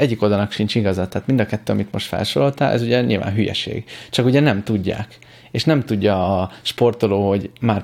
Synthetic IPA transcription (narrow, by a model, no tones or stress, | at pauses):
ɛɟːikod̪ɒnɒkʃint͡ʃiɡɒzɒt̪aːt̪mind̪ɒkɛt̪ːøːɒmit̪mo̞ʃt̪fɛ̰lʃoːlo̞lt̪aːlʔɛ̰zuɟɛɲḭlva̰ːnɦyjɛ̰ʃḛːɡ̥t͡ʃɒkuɟɛnɛmt̪uɟːa̰ːk | eːʃnɛmt̪uɟːɒːʃpo̞rt̪o̞loːɦo̞ɟmaːr